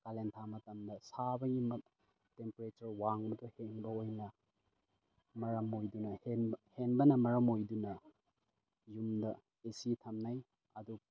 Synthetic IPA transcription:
kalentʰamɐtɐmdɐsabɐjimɐ | tempɾet͡ʃɐɾwaŋbɐtoheŋbɐojnɐ | mɐɾɐmojdunɐhenheŋbɐnɐmɐɾɐmojdunɐ | jumdɐ | esitʰɐmnaj | ɐdu

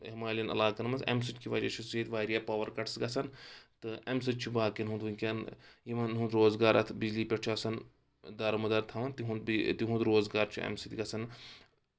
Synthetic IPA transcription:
ɦmaːlɐnɐ̰laːkɐnmɐzɐ̰ms̬iʈʲkiʋɐd͡ʒɐt͡ʃʰuseːt̪ʋaːɾijaːpɐːʋɐɾkɐʈʰsɡɐsʰɐnt̪ɨɐmsɨt̪̚ʲt͡ʃʰubaːkɐnɦũnd̪ʋuŋʲkʲɐnjimɐnɦũnd̪ɾoːzɡaːɾɐt̪ʰbid͡ʒliːpʲɐʈt͡ʃʰɐsɐn | d̪ɐɾmɐd̪ɐɾt̪ʰɐʋɐnt̪iɦũnd̪bt̪iɦũnd̪ɾoːzɡaːɾt͡ʃʰiɐ̰msit̪ʲiɡɐsɐn

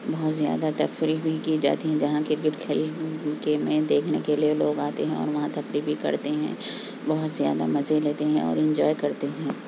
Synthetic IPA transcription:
bɔɦʊt̪zja̰ːd̪at̪ɐfɾibʱikiːd͡ʒa̰ːt̪iɦɛ̃d͡ʒɐɦãkɪɾkɪʈkʰeːlkemẽd̪eːkʰnekelieloːɡaːt̪eɦɛ̃ɔ̰ːɾʋɐɦãt̪ɐfɾibʱikɐ̰ɾt̪eɦɛ̰̃ː | bɔɦʊt̪zja̰ːd̪a̰mɐzeleːt̪eɦɛ̃ɔ̰ːɾɪ̃ɲd͡ʒɔːjkɐɾt̪eɦɛ̃ː

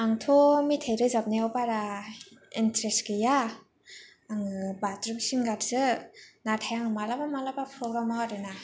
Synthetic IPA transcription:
aŋtʰomitʰajɾɯzap̚naawpaɾa | intɾestkɯja | ŋɯbatɾɯbisinɡaɾzɯnatʰajaŋɯmalabamalabapʰɾoɡɾamawaɾɯna

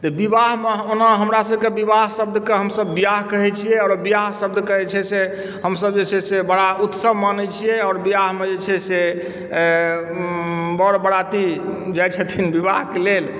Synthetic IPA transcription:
t̪ɔbibaɦmeonaɦəmɾasəbkebibaɦsəb̚d̪ʱkeɦəmsəbːijaɦkəɦɛt͡ʃʰijɛɔɾbijaɦsəb̚d̪ʱkəɦɛt͡ʃʰɛse | ɦəmsəb̚d͡ʒet͡ʃʰɛsebəɽaut̪səbmanɛt͡ʃʰijɛɔːɾbijaɦmed͡ʒet͡ʃʰɛse | bɔɾbəɽat̪id͡ʒajt͡ʃʰɛt̪ʰinbibaɦkelel

